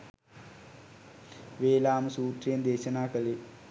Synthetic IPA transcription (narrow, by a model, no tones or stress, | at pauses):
ʋeːlaːmɐsuːt̪rijɐnd̪eːɕɐnaːkɐli